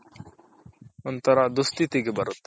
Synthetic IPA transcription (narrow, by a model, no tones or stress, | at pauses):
ɔnt̪aɾad̪ust̪it̪iɡebaɾot̪